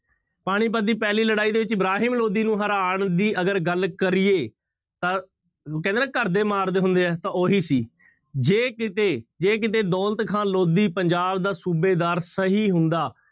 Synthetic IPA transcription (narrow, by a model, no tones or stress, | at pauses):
paːɽ̃iːp̬əd̪ːiːpɛːliːləɽaːiːd̪eːʋɪt͡ʃɪbɾaːɦiːmloːd̪iːnũːɦəɾaːɳd̪iːʔəɡəɾɡəlkəɾijeː | t̪ãː | kɛ̃ːnd̪eːnɛːkəɾd̪eːmaːɾd̪eːɦʊ̃nd̪eːɛːt̪ãːoːɦiːsiː | d͡ʒeːkɪt̪eːd͡ʒeːk̬ɪt̪̬eːd̪ɔːlt̪kʰãːloːd̪iːpəɲd͡ʒaːbd̪aːsuːbeːd̪aːɾsəɦiːɦʊnd̪aː